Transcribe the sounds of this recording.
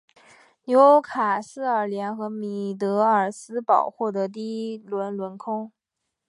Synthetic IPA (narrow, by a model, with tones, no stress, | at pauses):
njo˧˥ʊkʰa˨˩sɹ̩˥ə˞˨˩ljɛ˧˥nxɤ˧˥mi˨˩t̪ɤ˧˥ə˞˨˩sɹ̩˥pɑ˨˩ʊxwɔ˥˩d̪ə˧˥t̪̬i˥lwə˧˥nlwə˧˥nkʰʊ˥ŋ